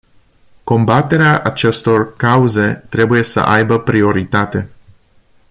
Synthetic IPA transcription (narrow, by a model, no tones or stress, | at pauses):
ko̞mbat̪e̞ɾeaʔat͡ʃe̞st̪o̞rkauze̞t̪ɾe̞buje̞sə̰ʔajbəpɾio̞ɾit̪at̪e̞